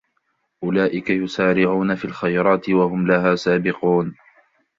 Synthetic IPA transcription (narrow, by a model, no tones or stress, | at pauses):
ʔʊlaːʔɪkajʊsaːɾɪʕuːnafiːlxajɾˤɑːt̪ɪwahʊmlaɦaːsaːbɪquːn